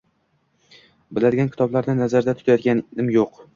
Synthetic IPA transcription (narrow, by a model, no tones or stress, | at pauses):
bɪlad̪ɪɡʲankʲʰɪt̪ʰɒblaɾnɪnazaɾd̪at̪ʰʊ̥t̪ʰajɒt̪ɡʲanɪmjoq